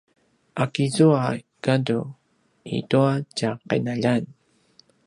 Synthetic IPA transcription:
akizua | kadu | ḭtuacaqḛnaʎan

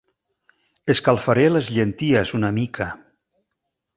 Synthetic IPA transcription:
eskalˠfaɾelezʎent̪iezunamikʰa

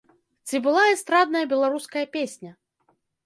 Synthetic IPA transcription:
t͡sʲibɨlˠaɛst̪ɾad̪̚nɐjɐbʲɛlˠaɾuskɐjɐpʲesʲnʲɐ

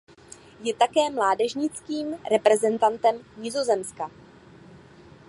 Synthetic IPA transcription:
jɛt̪akɛːmlaːdɛʒɲɪt͡skiːmɾɛpɾɛzɛnt̪ant̪ɛmɲɪzo̞zɛmska

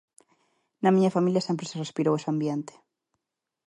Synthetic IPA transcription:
nɐmĩɲafamiljasempɾeserespiɾowesambjent̪e̥

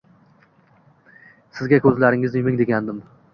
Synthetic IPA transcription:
sɪzɡʲakʲʰɵzlaɾɪŋɪzɪmɪŋd̪e̞ɡʲand̪ɪm

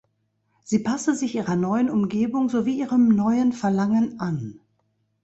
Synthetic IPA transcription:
z̥iːpʰasəzɪçʔiːʁɐnɔʏənʊmɡeːbʊŋzoviːʔiːʁəmnɔʏənfɛɐlaŋənʔan

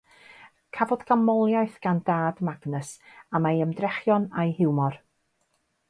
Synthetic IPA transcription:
kʰavɔdɡamɔlˠjajθɡ̥andaːdmaɡnəsamajəmdrɛχjɔnajhɪwmɔr

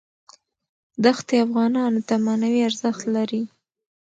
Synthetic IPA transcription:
d̪axt̪eafɣɑnɑnot̪amanawiaɾzəxt̪laɾi

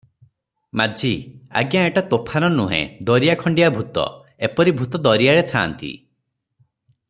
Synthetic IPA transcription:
mad͡ʒʱia̰ɡjaeʈat̪opʰaɾɔnuɦḛ̃d̪ɔɾijakʰɔɳɖijabʱut̪ɔ̰ | epɔɾibʱut̪ɔd̪ɔɾijaɽet̪ʰaːnt̪ḭ

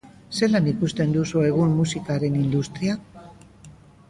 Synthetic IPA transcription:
se̞lanikust̪e̞nd̪usue̞ɣummusikaɾe̞nind̪ust̪ɾia

